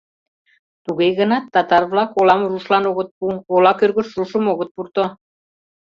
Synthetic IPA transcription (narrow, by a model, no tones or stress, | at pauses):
t̪uɣejɣənɑt̪ːɑt̪ɑrβlɑkolɑmruʃlɑnoɣə̆t̪̚puolɑkørɣə̆ʃruʃə̆moɣət̪̚purt̪o